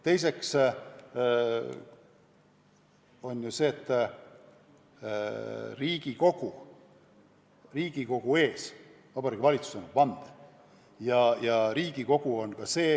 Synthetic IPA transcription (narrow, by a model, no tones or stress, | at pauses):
t̪e̞js̬e̞ks | o̞njuse̞ːt̪ːˑ | riːɡ̥iko̞ɡ̥u | riːɡ̥iko̞ɡ̥ue̞ːs | vɑbɑɾiɡ̥ivɑlit̪su̥senɑpɑnd̪̥ | jɑjɑɾiːɡ̥iko̞ɡ̥uo̞nkɑse̞ː